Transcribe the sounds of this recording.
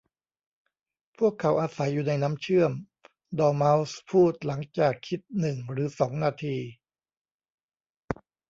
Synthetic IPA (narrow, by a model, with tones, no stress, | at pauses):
pʰu˥˩əkʰːa˩˦wʔaː˧sa˩˦jːuː˨˩na˧jna˦˥mt͡ɕʰɯ˥˩əm | dɔː˧ma˦˥wspʰuː˥˩t̪̚la˩˦ŋt͡ɕaː˨˩kʰːi˦˥t̪̚nɯ˨˩ŋɾɯː˩˦sɔː˩˦ŋnaː˧t̪ʰiː˧